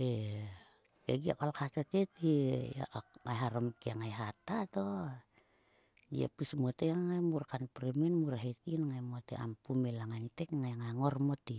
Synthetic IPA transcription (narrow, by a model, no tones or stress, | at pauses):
e | ɡeɡia̰kolkat̪at̪et̪ija̰ʔŋajɦaɾomkiaŋajɦat̪at̪o | dḭa̰pusmot̪eŋajmurkanpɾeminmuɾɦet̪inŋajmot̪eʔa̰mpumelaŋanit̪ekŋajŋaŋormot̪i